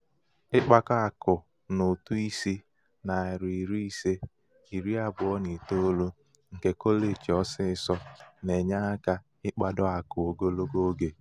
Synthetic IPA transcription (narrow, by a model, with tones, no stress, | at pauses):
ɪ˦k͡pa˦ka˦a˨kʊ˨ | nʊ˨tu˦i˦si˦ | na˨ɪ˨ɾi˨ɾi˦i˦se˦ | i˨ɾi˦a˦bʊ˨ɔ˦ni˨to˦o˦lo˦ | ŋ̩˨ke˦ko˦le˨t͡ʃɔ˦sɪ˦ɪ˨sɔ˦ne˨ɲa˦a˦ka˦ | ɪ˦k͡pa˦dɔ˦a˨kʊ˨o˨ɡo˦lo˦ɡo˦ɡe˨